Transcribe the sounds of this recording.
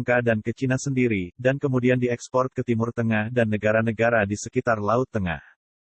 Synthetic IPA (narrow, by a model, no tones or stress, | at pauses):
ŋkadankət͡ʃinasəndiɾidankəmudiandiɛkspɔrt̪̚kət̪imʊrt̪əŋahdanːəɡaɾanəɡaɾadisəkit̪arlaʊt̪ːəŋa̰h